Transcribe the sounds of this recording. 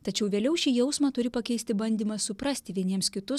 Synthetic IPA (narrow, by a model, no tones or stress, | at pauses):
t̪ɐt͡ʃʲɛʊʋʲeːlʲɛʊʃʲiːjɛʊsmɐːt̪ʊɾʲɪpɐkʲɛɪsʲt̪ʲɪbɐnʲd̪ʲiːmɐssʊpɾɐsʲt̪ʲɪʋʲiɛnʲiɛmskʲɪt̪ʊ